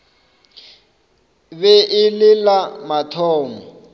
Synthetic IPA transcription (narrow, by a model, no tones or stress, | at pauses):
βɛʔɪlɪlamatʰɔːŋɔ